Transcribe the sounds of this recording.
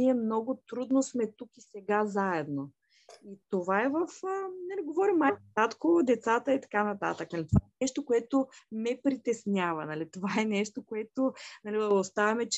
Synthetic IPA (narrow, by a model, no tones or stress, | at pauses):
iɛmnɔɡʊt̪ɾud̪nosmɛt̪ukisɛɡazaɛd̪no | it̪ovaɛvəfnɐliɡovɔɾimːaat̪kod̪ɛt̪sat̪əit̪ɐ̥kanɐt̪a̰t̪əknɐlit̪ovaɛnɛʃt̪okoɛt̪omɛpɾit̪ɛsnʲavɐ̰nɐlit̪ovaɛnɛʃt̪okoɛt̪onɐlilɐlˠost̪avɐmɛt͡ʃ